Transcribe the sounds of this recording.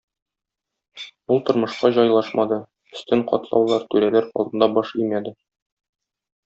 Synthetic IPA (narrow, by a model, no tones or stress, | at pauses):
ulˠt̪ŏɾmɤ̆ʃqɑʑɒjlˠɑʃmɑd̪ɤ | ɵ̆st̪ɘɴqɒ̰t̪lˠɑ̰wlˠɑɾt̪ʉɾælæɾqɒ̰lˠd̪ɤ̆nd̪ɑbɒʃimæd̪ɘ